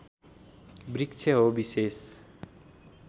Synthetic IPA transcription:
bɾikt͡ʃʰʌɦobises

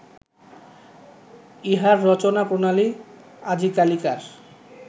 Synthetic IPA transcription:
iɦaɾːɔt͡ɕonapɾonali | ad͡ʑikalikaɾ

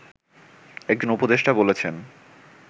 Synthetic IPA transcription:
ek̚d͡ʑonupod̪eʃʈabolet͡ɕʰen

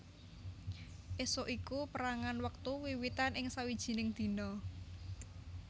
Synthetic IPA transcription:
ʔesoʔikupəɾaŋanwək̚t̪uwiwit̪anʔɪŋsawid̥ʒ̥i̤nɪŋd̪̥i̤nɔ

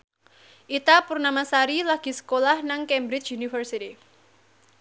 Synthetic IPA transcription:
ʔit̪apurnamasaɾilaɡ̥i̤sə̥kolahnaŋkɛmbɾɪt͡ʃunifərsiti

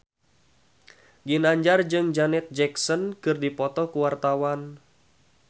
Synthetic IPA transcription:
ɡinaɲd͡ʒard͡ʒɨŋd͡ʒanɛt̪̚d͡ʒɛksɔnkɨrdipɔt̪ɔkuwart̪awan

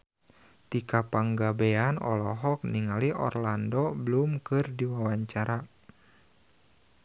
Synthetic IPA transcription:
t̪ikapaŋɡabeanɔ̰lɔɦɔk̚niŋaliɔ̰rlandɔbəlumkɨrdiwawaɲt͡ʃaɾa

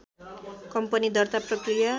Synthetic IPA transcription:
kʌmpʌnid̪ʌrt̪aprʌkrija

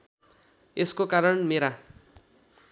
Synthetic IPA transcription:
eskokaɾʌnmeɾa

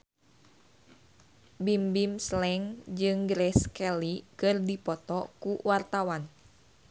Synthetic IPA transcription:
bimbimslɛŋd͡ʒɨŋɡɾɛskɛlikɨrdipɔt̪ɔkuwart̪awan

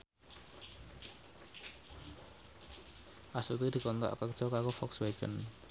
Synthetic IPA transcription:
ʔasut̪id̪̥i̤kɔnt̪ɔ̰ʔkərd̥ʒ̥ɔkakofɔksweɡ̥ə̰n

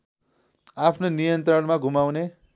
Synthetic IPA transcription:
apʰnonijʌnt̪rʌnmaɡʱumawne

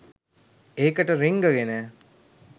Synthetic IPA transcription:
eːkɐʈəɾiŋɡɐɡenæː

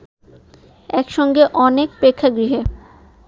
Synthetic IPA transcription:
ɛkʃɔŋɡeʔɔnek̚pɾekʰːaɡɾiɦe

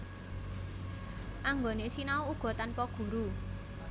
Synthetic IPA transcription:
ʔaŋɡonesinauuɡ̥ɔ̤t̪anpɔɡ̥ṳɾu

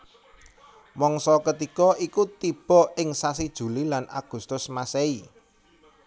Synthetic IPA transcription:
mɔŋsɔkət̪ikɔʔikut̪ib̥ɔ̤ɪŋsasid̥ʒ̥ṳlilana̰ɡ̥ṳst̪ʊsmasɛi

